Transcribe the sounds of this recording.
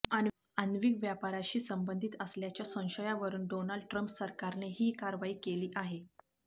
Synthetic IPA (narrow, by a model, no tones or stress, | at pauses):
an | ənʋiɡʋjapaɾaɕiːsəmbənd̪ʱiːt̪əsljat͡ɕjasə̃w̃ɕəjaʋəɾuːnɖonəlɖʈɾəmpsəɾkaɾneɦiːkaɾʋaiːkeliːʔaɦe